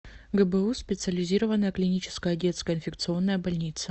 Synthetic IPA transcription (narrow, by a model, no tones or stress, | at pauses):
ɡəbəuspʲɪt̪sɨəlʲɪzʲiɾəvənːəjəklʲɪnʲit͡ɕɪ̥skəjədʲe̞t̪skəəɪnfʲɪk̚t̪sɨo̞nːəjəbɐlʲnʲit̪sə